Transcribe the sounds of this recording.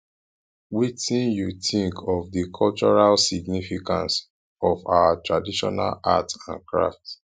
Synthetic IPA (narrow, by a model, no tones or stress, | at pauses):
witĩnjuθĩŋkʰɔfdikʰɔlt͡ʃɔɹalsiɡ̚nifikʰã̰ns | ɔfa̰watɹadiʃɔ̰na̰la̰tã̰nkʰɹa̰ft